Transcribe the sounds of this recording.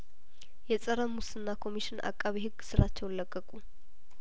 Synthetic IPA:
jɛsʼəɾəmːusɨnːakʰo̞miʃɪnʔa̰kʼːaβihɨɡːsɨɾat͡ʃːɛwləkʼːəkʼu

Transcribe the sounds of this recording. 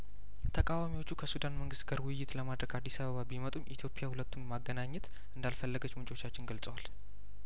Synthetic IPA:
t̪ʰəkʼawamiwo̞t͡ʃːukʰəsud̪anməŋɡɨst̪ɡəɾwʊjjːɪt̪ləmad̪ɾəɡad̪ːisaβəβabimət̪ʼumʔit̪ʰjo̞pʼijahulət̪ʰːummaɡːənaɲːɛt̪ | ʔɨnd̪alfəlːəɡət͡ʃːmɨnt͡ʃʼo̞t͡ʃːat͡ʃːɪnɡəlt͡sʼəwal

